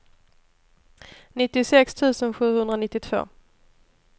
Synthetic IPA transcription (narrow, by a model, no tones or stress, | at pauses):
nɪt̪ːɪsɛkst̪ʰʉ̟ːsənɧʉ̟ːhɵnd̪ɾanɪt̪ːɪt̪ʰv̥o̰ː